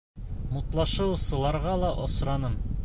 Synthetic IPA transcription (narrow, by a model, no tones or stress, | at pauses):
mut̪lˠɑʃɤwsɤ̆lˠɑɾʁɑlˠɑʔɒsɾɑnɤm